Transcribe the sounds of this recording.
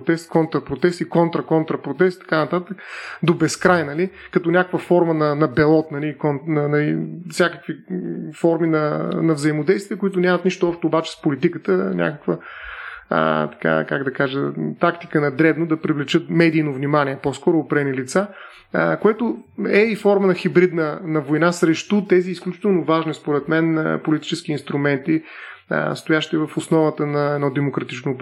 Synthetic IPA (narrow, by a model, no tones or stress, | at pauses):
t̪ɛst̪kɔnt̪ɾɐpɾot̪ɛst̪ikɔnt̪ɾɐkɔnt̪ɾɐpɾot̪ɛst̪i̥t̪ɐ̥kanɐt̪at̪əkd̪obɛskɾajnɐli | kɐt̪ɔnʲakəkvəfɔɾmənɐnɐbɛlˠɔt̪nɐlikɔnnɐnɐlifsʲjakəkvifɔɾminɐnɐvzɐimod̪ɛjst̪viəkʊit̪ʊnʲamɐt̪niʃt̪oɔʃt̪ɛʊbat͡ʃɛ̥spolit̪ikət̪ənʲʔa̰kəkvə̰ | t̪ɐ̥ka̰kaɡd̪ɐkaʒət̪akt̪i̥kənɐd̪ɾɛbnod̪ɐpɾivlɛt͡ʃɤt̪mɛd̪iːnovnʲimaniɛpɔskɔɾʊːpɾɛnilit̪sa | kojɛt̪ʊɛifɔɾmənɐxibɾid̪nənɐvojnasɾɛʃt̪ut̪ɛziːsklʲut͡ʃi̥t̪ɛlˠnovaʒnispoɾɛt̪mɛn̰polit̪i̥t͡ʃɛsk̟iːnst̪ɾumɛnt̪ḭ | st̪ʊjaʃt̪ivɐfʊsnɔvət̪ənɐɛd̪nɔd̪ɛmokɾɐt̪it͡ʃnop